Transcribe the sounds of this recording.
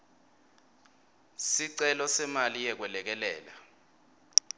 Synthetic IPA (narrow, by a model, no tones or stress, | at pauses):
siǀɛlɔsɛmalijɛk̬wɛlɛk̬ɛlɛːla̰